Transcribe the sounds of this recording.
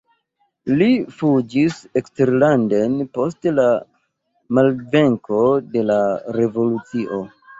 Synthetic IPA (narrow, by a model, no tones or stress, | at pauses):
lifud͡ʒisekste̞ɾlande̞npo̞stla | malve̞ŋko̞de̞laɾe̞vo̞lut͡siʔo̞